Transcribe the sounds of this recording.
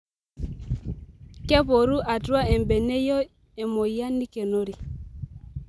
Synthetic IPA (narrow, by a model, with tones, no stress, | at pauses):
kɛ˦pɔ˨ɾu˦ʔa˨twa˦ɛ˨mbɛ˨nɛ˦jɔ˦ | ɛ˨mo˨i˨a˦ni˦kɛ˨no˦ɾi˨